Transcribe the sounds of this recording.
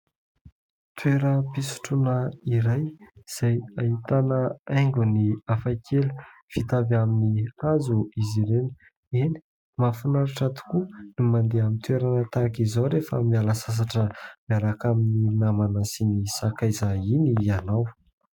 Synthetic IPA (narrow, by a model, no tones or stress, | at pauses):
t̪weɾəpisu̥ʈ͡ʂunaiɾajz̥ajait̪anəaŋɡuniafakʰelə̥ | v̥it̪avaminiazuiziɾenə̥ | eni̥ | mafunaɾaʈ͡ʂat̪u̥kunimand̪eamint̪weɾanət̪akizawɾefə̰mialəsas̬aʈ͡ʂəmiaɾakamininamanasinisakajzainianaw